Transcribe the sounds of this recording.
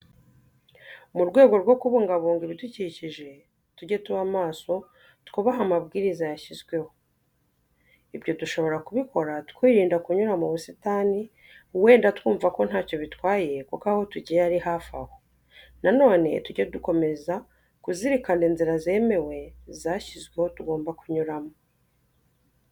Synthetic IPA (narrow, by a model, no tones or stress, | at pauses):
muɾɡwe̞ːɡo̞ɾɡwo̞kuβuŋɡaβuːŋɡiβiduciciʒe̞ | tuɟetuβamaːso̞ | tkuβaɦamaβɡiːɾizajaçizɡwe̞ho̞ | iβɟo̞tuʃo̞βo̞ɾakuβikʰo̞ɾatkwiːɾiːndakuɲuɾamuβusitaːni | we̞ːndatkuːɱvako̞n̥haːco̞βitwaːje̞kukaho̞tuɟijeaɾihaːfa̰ho | nano̞ːne̞̰tuɟeduko̞me̞za | kuziɾikandenziɾazeːme̞we̞zaçizɡwe̞ho̞tuɡo̞ːmbakuɲuɾamo